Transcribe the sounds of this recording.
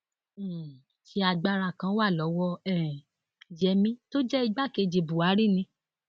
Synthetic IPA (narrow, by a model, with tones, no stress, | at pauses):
ti˧˦a˧ɡ͡ba˧ɾa˨kã˧˦wa˦˨lɔ˨˦wɔ˦˧ɛ˦˨ | d͡ʒɛ˧mĩ˦to˦d͡ʒɛ˦i˧ɡ͡ba˦˨ke˧d͡ʒe˨bu˨a˨˦ɾi˦˨nĩ˧